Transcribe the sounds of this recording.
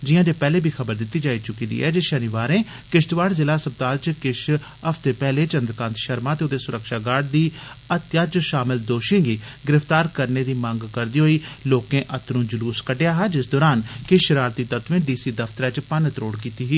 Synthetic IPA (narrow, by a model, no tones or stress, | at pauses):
d͡ʒijãːd͡ʒeːpɛːleːbʱiːxʰəbəɾd̪ɪt̪ːiːd͡ʒaːiːt͡ʃʊkiːd̪ḭːɛ̰ːd͡ʒeːʃənɪʋaːɾẽː | kɪʃt̪ʋaːɽzɪlaːsəb̚t̪aːlt͡ʃkɪʃ | əft̪eːpɛːleːt͡ʃə̃nd̪ɾəkãːnt̪ʃəɾmãːt̪eːod̪eːsʊɾəkʃaːɡaːɖ̚d̪iːət̪jaːt͡ʃʃaːmɪld̪oːʃẽːɡiːɡɪɾɪft̪aːɾkəɾneːd̪iːmə̃ŋɡkəɾd̪iːɦoːiːloːkẽːʔət̪ɾũːd͡ʒəluːskəɖejaːɦaːd͡ʒɪsd̪oːɾaːnkɪʃəɾaːɾt̪iːt̪ət̪ʋẽːɖiːsiːd̪əft̪əɾɛːt͡ʃpənət̪ɾoːɽkiːt̪iːɦiː